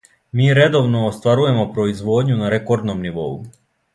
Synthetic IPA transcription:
miːɾe̞d̪o̞ʋno̞ːst̪ʋaɾuje̞mo̞pɾo̞izʋo̞ːd̪ɲunaɾeko̞ɾd̪nomniʋo̞̰ṵ

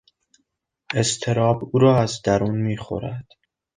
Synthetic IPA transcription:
e̞st̪ʰe̞ɾɒːbuːɾɒːæzd̪æɾuːnmiːxo̰ɾæd̪̥

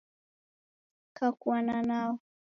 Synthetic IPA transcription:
kakwanana

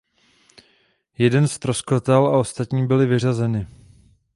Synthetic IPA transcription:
jɛdɛnst̪ɾo̞skot̪ɛlaʔo̞st̪at̪ɲiːbɪlɪvɪr̝azɛnɪ

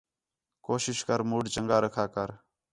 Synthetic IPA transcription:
koːʃɪʃkəɾmuːɖt͡ʃəŋɡaːɾəkʰaːkəɾ

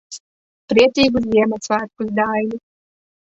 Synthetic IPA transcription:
pɾiɛt̪ʲiːɡus̬viɛmat̪svaːt̪̚kusd̪aːjnʲi

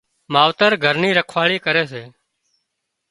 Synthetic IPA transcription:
maːʋt̪əɾɡʱəɾniːɾəkʰʋaːɭiːkəɾeːseː

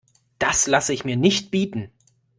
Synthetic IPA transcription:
d̥aslasəɪçmiːɐnɪçt̚b̥iːtn̩

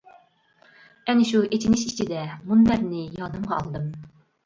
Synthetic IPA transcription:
ɛnɪʃuet̪ʰinɪʃit͡ʃʰid̪ɛmunb̪æɾnɪjɑːd̪ɨmʁɑɑ̰lˠd̪ɨm

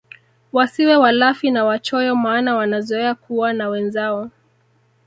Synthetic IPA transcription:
wasiwɛwalafinawat͡ʃɔjɔmaːnawanazɔɛakuwanawɛnzaɔ

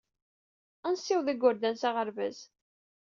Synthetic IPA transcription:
ænsːɪwðæɡʊɾd̪ænsaʁəɾvæz

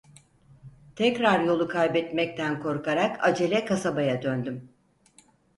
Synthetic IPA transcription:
t̪ʰɛcɾaɾjo̞lˠukʰajbɛt̪mɛc̚t̪ʰænkʰo̞ɾkaɾaka̰d͡ʒe̞lʲɛkʰasabajad̪ønd̪ym

